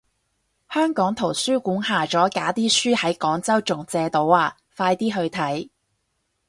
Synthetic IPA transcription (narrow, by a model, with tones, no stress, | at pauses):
hœː˥ŋkɔː˨˥ŋt̪ʰo˨˩wsyː˥kuː˨˥nɦaː˨t͡ʃɔː˨˥kaː˨˥t̪iː˥syː˥hɐ˨˥jkɔː˨˥ŋt͡sɐ˥wt͡ʃʊ˨˩ŋt͡sɛː˧t̪o˨˥waː˧ | faː˧jt̪iː˥ɦɵ˧ɥt̪ʰɐ˨˥j